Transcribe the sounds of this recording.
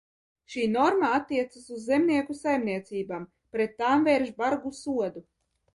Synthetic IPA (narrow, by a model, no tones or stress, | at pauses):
ʃiːnɔɾmaat̪ːiɛt̪sasuzːemniɛkusajmniɛt̪siːbaːm | pɾet̪ːaːmvɛɾʒbaɾɡusuɔd̪u